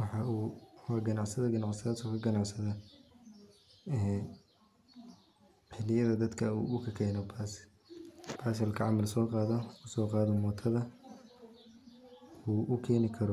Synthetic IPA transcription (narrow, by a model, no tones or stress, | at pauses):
wɑħɑuːɐɡɐnɑʕsɐðɐɡɐnɑʕsɐðaːd̪sɔkʰɐɡɐnɑʕsɐðɐ | ɛː | ħɪlɪjɐðɐd̪ɐd̪kʰɐṵːʊkʰɐkʰɛːnɔbʰaːs | b̥ʰaːs̬ɐlkʰɐʕɑmɐlsɔːqɑːðɐʊsɔːqɑːðɔmɔːt̪ʰɐðɐ | uːʔʊkʰɛːnɪkʰɐɾɔ